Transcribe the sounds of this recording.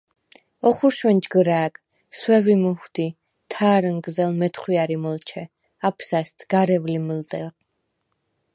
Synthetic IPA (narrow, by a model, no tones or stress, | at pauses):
ɔχuɾʃwɛnd͡ʒɡəɾaːɡ | swɛvimɔχwd̪i | t̪ʰaːɾənɡzɛlmɛt̪ʰχwiaɾimɔlt͡ʃʰɛ | apʰsast̪ʰɡ̥aɾɛvliməld̪ɛl